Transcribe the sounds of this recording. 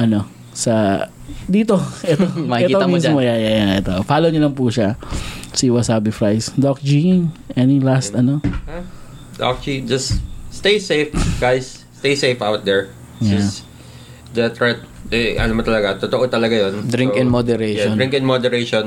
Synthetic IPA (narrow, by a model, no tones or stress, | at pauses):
ʔɐno̞ | sɐ | d̪iːt̪oʔɛt̪omɐiɛtkioɐmismojajajaʔɛt̪ofaːlowɲolɐŋpuːʃasiwɐsaːbɪfɹajsd̪ok̚d͡ʒiŋʔɛnilast̪ɐno | d̪a̰k̚t͡ʃid͡ʒɐsst̪ejsejfɡ̥ajsːt̪ejsejfʔawt̪̚d̪ɛɹ | jaɪ | d̪ɐt̪ɹɛt̪̚ʔɛʔɐ̰nomɐt̪ɐlɐɡat̪ot̪oʔot̪ɐlɐɡajond̪ɾɪŋkɪ̃nmod̪ɛɾejʃɔnɾĩŋkɪnmod̪ɛɾejʃon